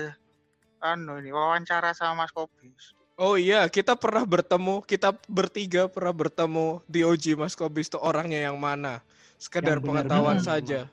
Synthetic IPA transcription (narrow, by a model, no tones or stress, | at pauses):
anuiniwawaɲt͡ʃaɾasamamaskobɪs | oijakit̪apərnahbərt̪əmukit̪abərt̪iɡapərnahbərt̪əmudiod͡ʒimaskobɪst̪uoɾaŋɲajaŋmana | sə̥kədarpəŋət̪awansad͡ʒa